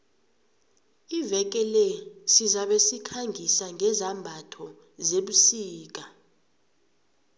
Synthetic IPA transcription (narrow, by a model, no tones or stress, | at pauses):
ivɛk̬ʼɛlɛsizaɓesikʰaŋʱisaŋʱɛzambʱatʰɔ | zeɓusiːk̬ʼa